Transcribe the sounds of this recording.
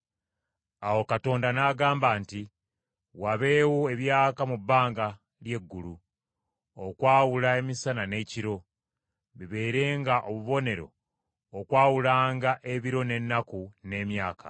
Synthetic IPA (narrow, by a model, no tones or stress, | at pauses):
awo̞kato̞ːndanaːɡaːmbaːnti | waβe̞ːwoe̞βjaːkamubːaːŋɡa | lje̞ɡːulu | okwaːwulae̞misanane̞ciɾo̞ | βiβe̞ːɾe̞ːŋɡaʔoβuβo̞ne̞ɾo̞̰ː | kwaːwulaːŋɡaʔe̞βiɾo̞ne̞nːakune̞ːmjaːkʰa̰